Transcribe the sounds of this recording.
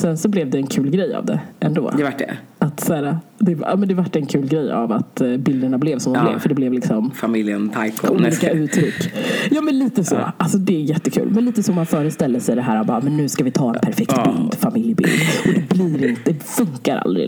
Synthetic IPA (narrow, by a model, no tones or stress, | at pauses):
sɛnsɔblɛvd̪ɛːnkʰʉ̟ːlɡɾɛja̰vd̪ɛ̰ʔɛnd̪o̰ːɛvaʈɖɛ̰at̪sæːɾad̪ɛɑ̰ːmɛnd̪ɛvaʈːɛnkʰʉ̟ːlɡɾɛjːa̰va̰t̪bɪld̪əɳablɛvsɔmd̪mblɛ̰vfœɖɛblɛvlɪksɔmfamɪljənt̪ʰajkuːliːkaʉ̟ːt̪ʰɾʏkːjɑːmɛnliːt̪əsɔ̰alsɔd̪ɛæɾjɛt̪ːəkʰʉ̟̰ːlmɛnliːt̪əsɔmːanfœːɾəst̪ɛld̪əsɛjd̪ɛɦæːɾabɑːmɛnːʉ̟ːskavɪt̪ʰɑːɛ̰npʰæɾfɛk̚t̪bɪ̰ld̪famɪljəbɪ̰ld̪ɔd̪ɛbliːɾɪnt̪əd̪ɛfɵŋkaɾa̰ld̪ɾɪ̰